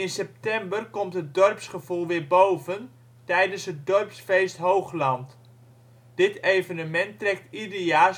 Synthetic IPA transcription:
ɪnsɛp̚tɛmbərkɔmtɦət̚dɔrpsχəvulˠʋɪɹbowvən | tɛjdənsɦət̚dɔrpsfejstɦowχlɑnt | d̥ɪtejvənəmɛntrɛk̚tidəjaː

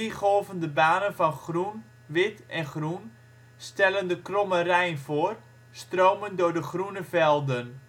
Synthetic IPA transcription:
iχoːvəndəbaːnənfɔnχrun | ʋɪtɛnχrun | stɛləndəkromərɛjnfoːr | stroːməndʊːrdəχrunəvɛlˠdən

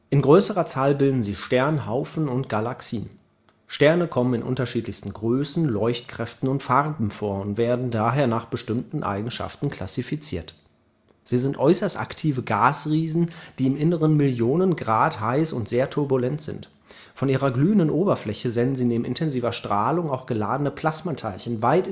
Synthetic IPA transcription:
ʔɪnɡʁøːsəʁɐt͡saːlbɪldn̩ziːʃtɛɐnɦaʊfn̩ʊntɡ̥alaksiːn | ʃtɛɐnəkʰɔmənɪnʔʊ̰ntɐʃiːtlɪçstn̩ɡʁøːsn̩lɔʏçtkʁ̥ɛftn̩ʊntfaʁbm̩foːɐʊntv̥eːɐdn̩daːɦeːɐnaːχb̥əʃtɪmtn̩ʔa̰ɪɡŋ̩ʃa̰ftn̩kʰl̥a̰sifit͡sḭːɐt | z̥iːzɪntʔɔʏsɐsta̰ktʰiːvəɡaːsʁiːzn̩d̥iːɪmʔɪnəʁənmɪljoːnənɡʁaːthaɪsʊ̰ntz̥eːɐtʰʊɐbulɛntz̥ɪ̰nt | fɔnʔiːʁɐɡlyːəndənʔoːbɐflɛçəzɛnn̩ziːneːbmʔɪ̰ntʰɛnziːvɐʃtʁ̥aːlʊŋaʊxɡ̥əlaːdənəpʰl̥asmatʰaɪlçənvaɪt

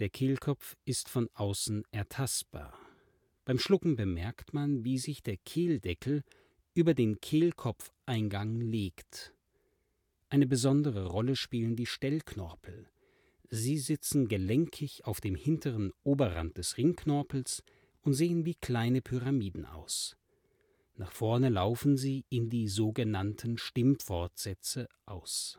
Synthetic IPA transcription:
d̥eːɐkʰeːlkʰɔpp͡fɪstfɔnʔaʊsn̩ʔɛɐtʰastb̥a̰ːɐ | b̥aɪmʃlʊkŋ̩bəmɛɐktmanviːzɪçd̥eːɐkʰeːldɛkʰl̩ | ʔyːbɐdeːnkʰeːlkʰɔpp͡fʔaɪnɡaŋleːkt | ʔaɪnəbəzɔndəʁəʁɔləʃpiːləndiːʃtɛlkʰnɔɐpʰl̩ | ziːzɪt͡sn̩ɡəlɛŋkʰɪçaʊfd̥eːmhɪntʰəʁənʔoːbɐʁa̰nt̚d̥ɛsʁɪŋkʰnɔɐpl̩s | ʔʊntz̥eːənviːkʰl̥aɪnəpʰyʁamiːdn̩ʔa̰ʊs | naːχfɔɐnəlaʊfn̩ziːɪndiːzoːɡənantʰn̩ʃtɪmfɔɐtz̥ɛt͡səʔaʊs

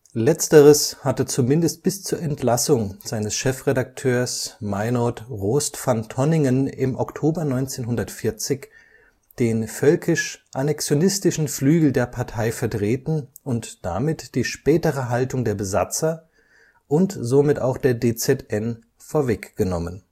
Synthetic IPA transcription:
lɛt͡stəʁəshatət͡sumɪndəst̚b̥ɪst͡suːɐɛntlasʊŋz̥aɪnəsʃɛfʁedak̚tʰøːɐsmaɪnɔtʁoːstfantʰɔnɪŋənɪmʔɔktʰoːbɐnɔʏnt͡seːnɦʊndɐtfɪɐt͡sɪç | d̥eːnfœlkʰɪʃʔanɛksjonɪstɪʃn̩flyːɡl̩deːɐpʰaɐtʰaɪfɛɐtʁ̥eːtn̩ | ʊntd̥a̰mɪtd̥iːʃpɛːtəʁ̞əɦaltʊŋdeːɐbəza̰t͡sɐ | ʔʊntzomɪta̰ʊxd̥eːɐdeːt͡sɛtɛn | foːɐvɛkɡ̥ənɔmən

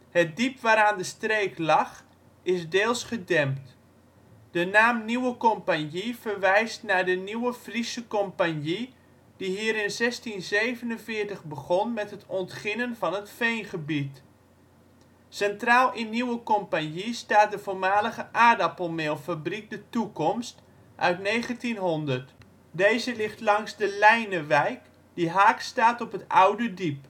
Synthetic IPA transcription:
hət̚dipʋaːɾaːndəstreːklɑx | ɪsdeːlˠsχədɛmpt | d̥ənaːmniwəkɔmpanjivərʋɛjstnadəniwəfrisəkɔmpanji | d̥iɦiːɾɪnzɛstinzeːvənənfɪːɹtəχbəɣɔnmɛtɦətɔntχɪnənvɑnətfejnχəbit | sɛntraːlˠɪnːiwəkɔmpanjistaːt̚dəvoːɹmaːləɣəʔaːdapolˠmeːlˠfabrik̚dətukɔmst | ʔœ̰ɥtneːɣəntinɦondərt | deːzəlɪxtlɑŋsdəlɛjnəʋɛjk | d̥iɦaːkstaːtɔpətawdədip

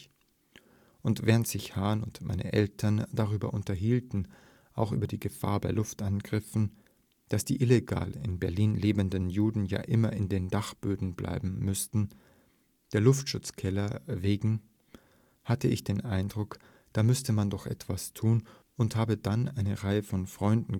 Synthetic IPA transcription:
ʔʊntv̥ɛːʁəntz̥ɪçhaːnʊntmʔa̰ɪnʔə̰ʔɛltʰɐnd̥aʁ̞yːbɐ̰ʔʊntɐɦiːltn̩ | ʔaʊxʔy̰ːbɐdiːɡəfa̰ːɐbaɪlʊftʔanɡʁɪfn̩ | d̥asd̥ḭːʔɪleɡa̰ːlɪ̰nbɛɐliːnleːbəndənjuːdn̩ja̰ːʔɪmɐɪndeːndaχb̥øːdn̩blʔa̰ɪbm̩mʏstn̩ | d̥eːɐlʊftʃʊt͡skʰɛlɐveːɡŋ̩ | hatəɪçd̥eːnʔaɪndʁʊk | d̥aːmʏstəmandɔχʔɛ̰tv̥astʰuːn | ʊnthaːbədanʔaɪnəʁaɪəfɔnfʁ̥ɔʏndn̩

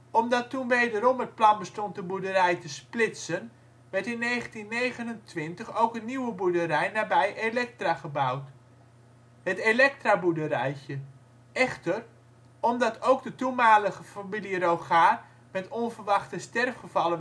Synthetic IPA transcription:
ɔmdɑtunʋejdəɾɔmət̚plɑnbəstɔnt̚dəbudərɛjtəsplɪtsən | ʋɛrtɪnːeːχəntinːeːɣənəntʋɪntəχowkənniwəbudəɾɛjnaːbɛjʔelɛk̚traχəbawt | hətelɛk̚trabudəɾɛjə | ɛχtər | ɔmdɑtʰowɡ̚dətumaːləɣəfamilirowχaːr | mɛtɔnvərʋɑχtəstɛrfχəvɑlə

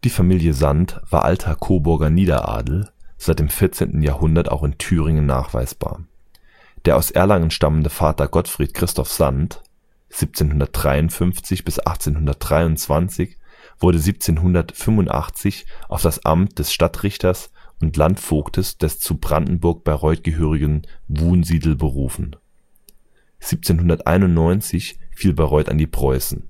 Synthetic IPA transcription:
d̥iːfamiːljəzantv̥a̰ːɐʔa̰ltʰɐkʰoːbʊɐɡɐniːdɐ̰ʔa̰ːdl̩z̥aɪt̚d̥eːmfɪɐt͡sḛːntn̩jaːhʊndɐta̰ʊxɪntʰyːʁɪŋənːa̰ːχv̥a̰ɪsb̥a̰ːɐ | d̥eːɐʔaʊsʔɛːɐlaŋənʃtaməndəfaːtɐɡɔtfʁ̥iːt̚kʁ̥ɪstʰɔfz̥ant | z̥iːp̚t͡seːnɦʊndɐt̚d̥ʁaɪʊnfʏnft͡sɪçb̥ɪsʔa̰χt͡seːnhʊndɐt̚d̥ʁaɪʊnt͡sv̥ant͡sɪçv̥ʊɐdəziːp̚t͡seːnɦʊndɐtfʏmvʊntʔa̰χt͡sɪçʔaʊfd̥asʔa̰mt̚d̥ɛsʃtatʁɪçtɐsʔʊntlantfoːktʰəsd̥ɛst͡subʁandn̩bʊɐk̚b̥aʁɔʏt̚ɡ̥əɦøːʁɪɡənvuːnziːdl̩bəʁuːfn̩ | z̥iːp̚t͡seːnhʊndɐtʔa̰ɪnʊntnɔʏnt͡sɪçfiːlbaʁɔʏta̰ndiːpʁ̥ɔʏsn̩

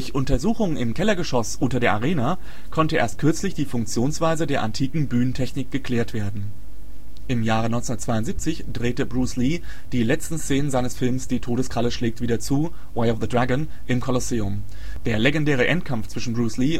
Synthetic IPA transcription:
d̥ʊçʔʊntɐzuːxʊŋɪmkʰɛlɐɡəʃɔsʔʊntɐdeːɐʔaʁ̞eːna | kʰɔntəʔḛːɐst̚kʰʏɐt͡slɪçd̥iːfʊŋk̚t͡sjoːnsv̥aɪzədeːɐʔantʰiːkŋ̩byːnəntʰɛçnɪk̚ɡ̥əkʰl̥ɛːɐtv̥eːɐdn̩ | ʔɪmjaːʁənɔ̃ʏnsʊndɐtt͡sv̥aɪʊntziːp̚t͡sɪçd̥ʁeːtəbʁuːsliː | d̥iːlɛt͡stn̩st͡seːnənzaɪnəsfɪlmsd̥iːtʰoːɾəskʁ̥aləʃlɛːk̚tv̥iːdɐt͡suː | waɪɔfðədʁaɡən | ʔɪmkʰɔlɔseːʊm | d̥eːɐleɡɛndɛːʁəʔɛntkʰamft͡sv̥ɪʃn̩bʁuːsliː

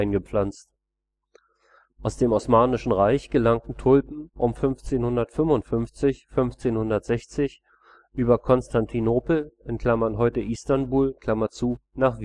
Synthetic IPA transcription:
ɪnɡəp͡flant͡st | ʔaʊsd̥eːmɔsmaːnɪʃn̩ʁaɪçɡ̥əlaŋtn̩tʰʊlpm̩ʔʊmfʏnft͡seːnhʊndɐtfʏmvʊntfʏnft͡sɪçfʏnft͡seːnhʊndɐtz̥ɛçt͡sɪç | ʔyːbɐkʰɔnstʰantʰinoːpl̩ʔɛntkl̥amɐnɦɔʏtəʔiːstanbuːlkl̥amɐt͡suːnaːχv

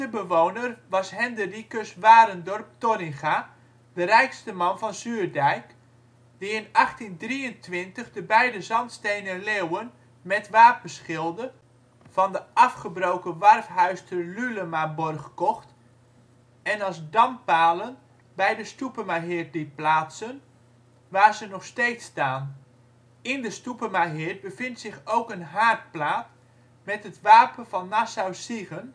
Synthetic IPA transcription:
əbəʋownərʋɑsɦɛndərikəsʋaːɾəndɔrp̚tɔrɪŋχa | dərɛjkstəmɑnvɑnzyːrdɛjk | d̥iɪnɑχtindriəntʋɪntəχdəbɛjdəzɑntstejnəlewən | mɛtʋaːp̚bəsχɪlˠdə | v̥ɑndəʔɑfχəbrowkəʋɑrfɦœɥstʰəlyləmabɔrχkɔχt | ɛnɑzdɑmpaːlən | bɛjdəstupəmaɦɪrt̚dit̚plaːtsən | ʋaːrzənɔχstejtstaːn | ɪndəstupəmaɦɪt̚bəfɪntsɪχowkənɦaːt̚plaːt | mɛtɦətʋaːpənvɑnːasawsiɣən

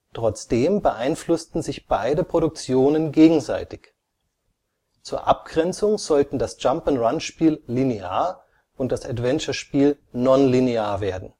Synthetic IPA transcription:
tʁ̥ɔt͡sd̥eːmbəʔaɪnflʊstn̩zɪçb̥aɪdəpʁ̥oɾʊk̚t͡sjoːnənɡeːɡŋ̩za̰ɪtɪç | t͡suːɐʔa̰p̚ɡ̥ʁɛnt͡sʊŋzɔltn̩dasd͡ʒ̥ampənʁanʃpiːllineaːɐ | ʔʊnt̚d̥asatv̥ɛnt͡ʃɐʃpiːl | nɔnlineaːɐveːɐdn̩

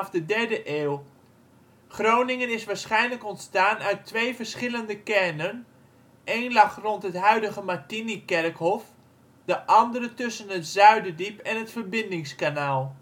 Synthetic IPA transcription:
fdədɛrdəʔeːlˠ | χrownɪŋənɪsʋaːɹsχɛjnləkɔntstaːnœɥtʰːʋeːvərsχɪləndəkɛrnən | ʔeːnlɑχrɔntɦətɦœɥdəɣəmatinikɛrkhɔf | dəʔɑndərətɵsənətz̥œɥdədipɛnɦətfərbɪndɪŋskanaːlˠ

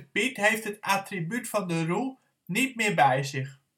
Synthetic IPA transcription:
pitɦejftɦətatribytfɑndərulˠ | nit̚mɪːɹbɛjzɪχ

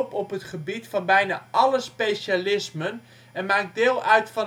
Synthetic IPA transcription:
pɔpɦətχəbitfɑnbɛjnaːʔɑləspejʃalɪsmən | ɛnmaːk̚dɪːlˠʔœɥtfɑn

